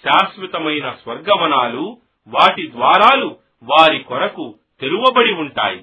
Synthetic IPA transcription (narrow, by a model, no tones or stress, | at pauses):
ʃaːsʋit̪ɐmɐjnɐsʋɐɾɡɐʋɐnaːlu | ʋaːʈid̪ʋaːɾaːlu | ʋaːɾikɔɾɐku | t̪e̞luʋɐbɐɽiuɳʈa̰ːjḭ